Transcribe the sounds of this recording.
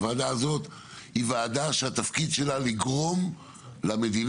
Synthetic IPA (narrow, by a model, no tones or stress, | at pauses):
vaːd̪aːzo̞t̪ | hivaːd̪aʃeat̪afkid̪ʃe̞laliɡʁo̞m | lamed̪in